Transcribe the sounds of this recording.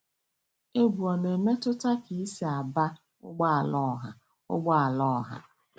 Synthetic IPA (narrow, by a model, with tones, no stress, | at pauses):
e˦bu˨ɔ˨ne˨me˦tʊ˦ta˦ki˨i˦si˨a˨ba˦ | ʊ̰˦ɡ͡bɔ˦a˨lɔ˦˨ɦa˨ | ʊ̰˦ɡ͡bɔ˦a˨lɔ˦˨ɦa̰˨